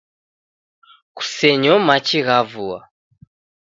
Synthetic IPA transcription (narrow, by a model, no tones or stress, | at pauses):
ku̥sɛɲɔmat͡ʃiɣavua̰